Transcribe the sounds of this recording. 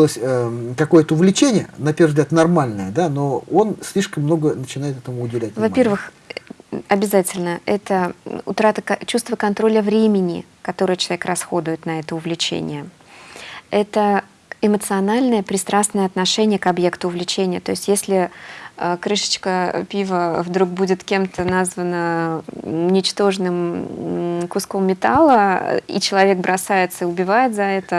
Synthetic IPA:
lˠəsʲəkɐko̞jət̪əʊvlʲɪt͡ɕenʲɪjə̰nɐpʲervzɡlʲat̪nɐrmalʲnəjəd̪ano̞o̞nsʲlʲiʂkəmːno̞ɡənət͡ɕɪnajɪt̪ɛt̪əmʊʊdʲɪvlʲæt̚ʲvɐpʲe̞rvɨx | ɐbʲɪzatʲɪlʲnəɛt̪əʊ̰t̪ɾat̪əkɐt͡ɕust̪vəkɐnt̪ɾo̞lʲəvɾʲemʲɪnʲɪ̰kɐt̪o̞ɾɨjət͡ɕɪlˠɐvʲkrɐsxo̞d̪ʊjɪt̪nɐɛt̪əʊvlʲɪt͡ɕḛnʲɪ̰jə | ɛt̪ə | ɪmət̪sɨɐnalʲnəjəpɾʲɪst̪ɾasnəjəɐt̪nɐʂɛnʲɪjəkɐbje̞kt̪ʊːvlʲɪt͡ɕenʲɪjə̰t̪o̞ɪsʲtʲjesʲlʲɪəkɾɨʂə̥t͡ɕkəpʲivəvd̪ɾuk̚budʲɪt̪kʲe̞mt̪ənazvənə | ʊnʲɪt͡ɕt̪o̞ʐnɨm | kʊskomːʲɪt̪alˠəḭt͡ɕɪlˠɐvʲe̞k̚bɾɐsajɪt̪səɪʊbʲɪvajɪt̪zɐɛt̪ə

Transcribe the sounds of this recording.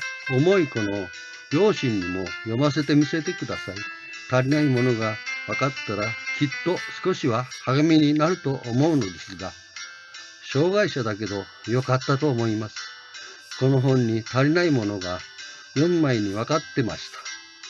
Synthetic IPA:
o̞mo̞iko̞no̞ | ɡʲo̞ːɕĩɲːimo̞jo̞mas̬e̞t̪e̞mʲise̞t̪e̞kɯ̟d̪asai | t̪aɾʲinaimo̞no̞ɡaβakat̪ːaɾakʲit̪ːo̞sɨ̥ko̞ɕiβahaɡamʲiɲ̟inaɾɯ̟t̪o̞ʔːmo̞ɯ̟no̞d̪e̞sɨɡa | ɕo̞ːɡaiɕad̪ake̞d̪o̞ | jo̞kat̪ːat̪o̞ːmo̞imasɨ̥ | ko̞no̞ɦõ̞ɲ̟ːit̪aɾʲinaimo̞no̞ɡa | jõ̞mːaiɲ̟iβakat̪ːe̞ma̰ɕi̥t̪ḁ

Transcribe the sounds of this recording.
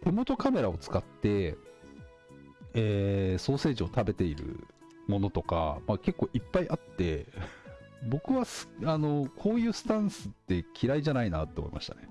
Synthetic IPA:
t̪e̞mo̞t̪o̞kame̞ɾao̞t͡sɨ̥kat̪ːe̞ | eːso̞ːse̞ːʑio̞t̪abe̞t̪e̞iɾɯ̟̰ | mo̞no̞t̪o̞ka̰make̞kːo̞ːʔipːaiʔat̪ːe̞ | bo̞kɯ̟βasano̞kʰo̞ːjɯ̟ːsɨ̥t̪ãɰ̃sɨt̪ːe̞kʲʰiɾaiʑanainat̪ːeoːmoima̰ɕi̥t̪a̰ne̞̰

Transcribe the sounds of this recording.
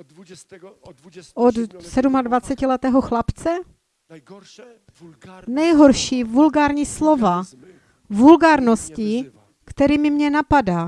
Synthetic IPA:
ʔod̪sɛdumadvat͡sɛcɪlɛt̪ɛːɦoxlapt͡sɛ | nɛjɦoɾʃiːvulɡaːɾɲiːslova | vulɡaːɾnosci | kt̪ɛɾiːmɪmɲɛnapadaː

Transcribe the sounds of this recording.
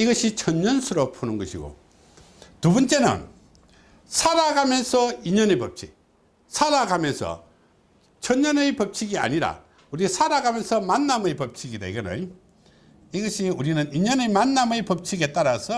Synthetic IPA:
iɡʌɕʰit͡ɕʰʌɲɲʌnsʰɯɾopʰunɯnɡʌɕʰiɡo̰ | tubʌnt͡ɕ͈e̞nɯ̰n | sʰaɾaɡamjʌnsʰʌiɲʌnɯjpʌp̚t͡ɕʰi | sʰaɾaɡamjʌnsʰʌ̰ | t͡ɕʰʌɲɲʌnɯjpʌp̚t͡ɕʰiɡia̰ɲiɾa̰ | uɾisʰaɾaɡamjʌnsʰʌmanːamɯjpʌp̚t͡ɕʰiɡida̰iɡʌna̰j | iɡʌɕʰiuɾinɯniɲʌnɯmanːamɯjpʌp̚t͡ɕʰiɡe̞t͈aɾasʰʌ

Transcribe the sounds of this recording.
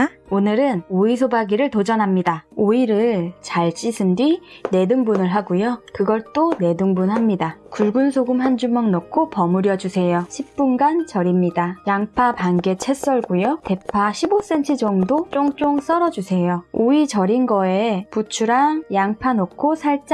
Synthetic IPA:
onɯɾɯnoisʰobaɡiɾɯɭtod͡ʑʌnɦamɲidaoiɾɯɭt͡ɕaɭt͡ɕ͈isʰɯndwine̞dɯŋbunɯɭɦaɡujokɯɡʌɭt͈one̞dɯŋbunɦamɲidakuɭɡunsʰoɡumɦand͡ʑumaŋnʌkʰopʌmuɾjʌd͡ʑusʰe̞joɕʰip̚p͈unɡant͡ɕʌɾimɲidajaŋpʰapaŋɡe̞t͡ɕʰe̞s͈ʌɭɡujote̞pʰaɕʰibos͈e̞nt͡ɕʰɯd͡ʑʌŋdot͡ɕ͈oŋt͡ɕ͈oŋs͈ʌɾʌd͡ʑusʰe̞jooit͡ɕʌɾinɡʌeput͡ɕʰuɾaŋjaŋpʰanokʰosʰaɭt͡ɕ͈

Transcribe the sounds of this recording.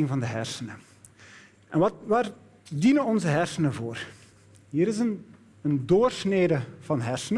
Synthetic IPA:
ɪŋvɑndəɦɛrsənə | ʔɛnʋɑʋaːr | dinənɔnzəɦɛrsənəvoːr | ɦiːɾɪsən | əndoːrsneːdəv̥ɑnɦɛrsənə

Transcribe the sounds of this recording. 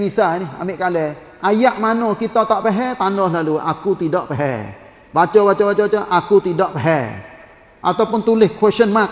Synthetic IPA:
misanɪha̰mɪʔkalɛ | ʔajaʔmanokit̪ɔt̪aʔpɛɦɛt̪anɔhlalua̰kut̪idɔʔpɛɦɛ̰ | bat͡ʃɔbat͡ʃɔbat͡ʃɔbat͡ʃɔʔakut̪idɔʔpeɦɛ | ʔa̰t̪awpʊnt̪ulɪhkwɛʃənmak̚

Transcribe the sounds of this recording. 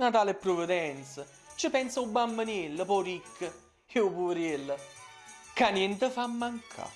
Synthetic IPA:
nat̪aːlepːɾovəd̪ɛnt̪sə | t͡ʃɪpɛnsaubːamːənilːəpɔɾikʰːə | eupuɾilːə | kanjɛnt̪əfamːaŋkʰa̰

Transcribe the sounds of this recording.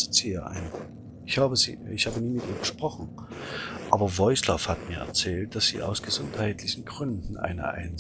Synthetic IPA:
z̥ɪtz̥iːaʔa̰ɪnə | ʔɪçhaːbəzḭːɪçhaːbəniːmɪtʔḭːɐɡəʃpʁ̥ɔχn̩ | ʔaːbɐvɔʏslɔfhatmiːɐɛ̰ɐt͡sɛːlt̚d̥asz̥ḭːʔa̰ʊsɡ̥əzʊnthaɪtlɪçn̩ɡʁʏndn̩ʔa̰ɪnɐ̰ʔa̰ɪnz

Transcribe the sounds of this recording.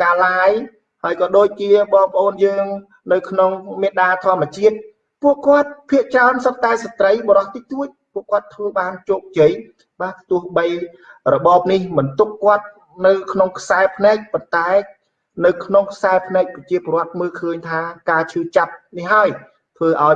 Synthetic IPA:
kaːlaːj | haəjkɑːɗoːc̚t͡ɕiəɓɑːŋpə̆ʔoːnjəːŋ | nɨwkʰnoŋmeɗaːt̪ʰŏəmːə̆ət͡ɕiət̪̚ | puəʔkŏət̪̚pʰiəʔt͡ɕraənsət̪̚t̪aɛsat̪rəjɓɔɾɑht̪iːt̪uəc̚puəʔkŏət̪ʰːʋəːɓaːnt͡ɕoːk̚t͡ɕəj | ɓaːt̪ʊəhɓəj | rɔɓɑːp̚nihmɨnt̪ukːŏət̪̚ | nɨwkʰnoŋkʰsaɛpʰnɛːk̚pont̪aɛ | nɨwkʰnoŋkʰsaɛpʰnɛːk̚prɑt͡ɕiəpoːɾŏət̪̚məːlkʰəːɲt̪ʰaːkaːt͡ɕʰɨːt͡ɕap̚nihɦaəj | t̪ʰʋəːʔaɔj

